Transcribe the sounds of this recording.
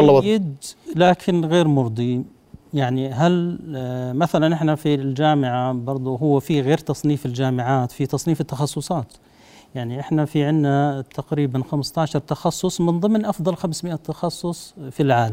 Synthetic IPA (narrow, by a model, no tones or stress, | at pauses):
lːɑjɪd̪laːkʰɪnɣeːɾmʊɾˤd̪ˤi | jaʕniɦal | maθalanʔɪħnafild͡ʒaːmɪʕabɑɾˤd̪ˤʊɦʊwːafiɣeːɾt̪ɑsˤniːfɪld͡ʒaːmɪʕaːt̪fit̪ɑsˤniːfɪt̪ːɑxɑsˤːʊsˤɑːt̪ | jaʕniʔɪħnafiʕɪnːat̪ʰaqɾiːbanxamst̪aːʕʃɑɾˤt̪ɑxɑsˤːʊsˤmɪnðˤɨmnʔɑfd̪ˤɑlxamsmɪʔat̪ːɑxɑsˤːʊsˤfilʕaːlam